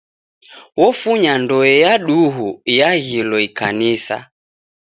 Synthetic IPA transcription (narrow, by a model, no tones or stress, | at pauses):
wɔfuɲandɔɛjaɗuɦujaɣilɔika̰nisa̰